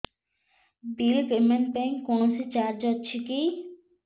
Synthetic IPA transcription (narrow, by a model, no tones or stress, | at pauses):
bilkemenpɛŋkkːonosit͡ɕaɾd͡ʑɔtːɕʰiki